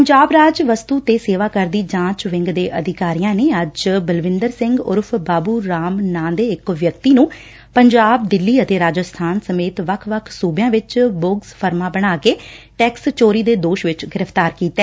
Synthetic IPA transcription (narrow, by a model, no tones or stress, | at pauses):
əɲd͡ʒaːbɾaːd͡ʒʋəst̪uːt̪eːseːʋaːkəɾd̪iːd͡ʒãːt͡ʃʋɪ̃ŋɡd̪eːʔəd̪ʱɪkaːɾijãːneːəd͡ʒbəlʋɪ̃nd̪əɾsɪ̃ŋɡʊ̰ɾpʰbaːbuːɾaːmnãːnd̪eːɪkʋjəkt̪iːnũː | pəɲd͡ʒaːb̚d̪ɪlːiːət̪eːɾaːd͡ʒəst̪ʰaːnsəmeːt̪ʋəkʰʋəkʰsuːbjãːʋɪt͡ʃbʊɡspʰəɾmaːbəɽaːkeːʈɛːkst͡ʃoːɾiːd̪eːd̪oːʃʋɪt͡ʃɡɪɾəpʰt̪aːɾkiːt̪ɛː